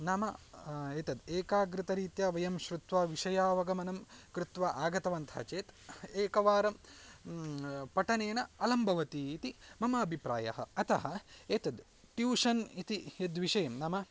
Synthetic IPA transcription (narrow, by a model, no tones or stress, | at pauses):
naːmɐeːt̪ɐd̪eːkaːɡɾɪt̪ɐɾiːt̪jɐʋɐjɐmʃɾut̪ʋaːʋiʂɐjaːʋɐɡɐmɐnɐmkɾut̪ʋaʔaːɡɐt̪ɐʋɐnt̪ʰɐ̰t͡ʃeːt̪eːkɐʋaːɾɐm | pɐʈɐneːnɐɐlɐmbʱɐʋɐt̪iːt̪imɐmɐːbʱipɾa̰ːjɐ̰ɦɐ̰ɐt̪ɐɦɐeːt̪ɐd̪ | ʈjuːʂɐnit̪ijed̪ʋiʂɐjɐmnaːmɐ